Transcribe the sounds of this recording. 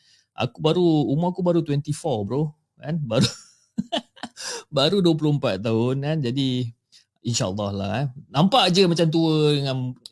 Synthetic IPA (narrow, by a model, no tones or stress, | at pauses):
ʔa̰kubaɾuːmaakubaɾut̪wɛnt̪ifɔbɾo | kanbaɾu | baɾuduəp̬lʊəmpat̪ːaʊnkand͡ʒadi | inʃaə̰lːɑhla̰nampaʔd͡ʒəmat͡ʃamt̪̬uədəŋãn